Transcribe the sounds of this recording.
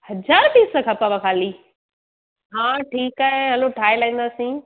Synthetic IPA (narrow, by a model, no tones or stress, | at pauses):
hɐd͡ʑaːɾpiːsəkʰɐpaʋakʰaːli | ɦãːʈʰiːkaːɦeɦɐloʈʰaːɪlaɦĩnd̪aːsĩ